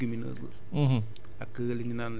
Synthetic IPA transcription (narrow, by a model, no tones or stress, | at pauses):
ɡiminə̰zə̰̃ | ɦ | a̰kəliɲinan